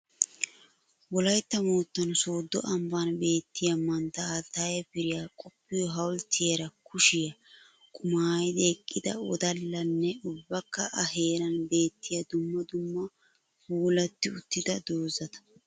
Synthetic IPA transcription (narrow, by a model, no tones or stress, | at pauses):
wɔlɐjt̪ːɐmoːt̪ːɐnsoːd̪ːɔʔɐmbanbe̞ːt̪ːɪjɐmɐnt̪ːɐt̪ːajɐpɪɾɪjaːkʼɔpːɪjɔɦɐwlt̪ʰɪjɛɾɐkʊʃɪjɐ | kʼʊmaːjd̪eːkʼːɪd̪ɐ̰ɔd̪ɐlːɐnːɛʊbːɐkːɐʔɐɦe̞ːɾɐnbe̞ːt̪ːɪjɐd̪ʊmːɐd̪ʊmːɐ | fuːlɐt̪ːɪʊt̪ːɪd̪ɐd̪oːzɐt̪ɐ̥